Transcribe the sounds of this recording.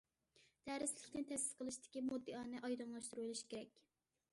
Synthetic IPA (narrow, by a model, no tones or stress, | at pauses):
d̪̥æɾɪslɪkʲnɪnt̪ʰɛsɪ̥sqʰəlˠɨʃt̪ɪ̥kʲimud̪ːɨɑːnɨʔɑjd̪ɑnlˠɑʃt̪uɾulˠɨʃi̥kʲeɾɛkʲ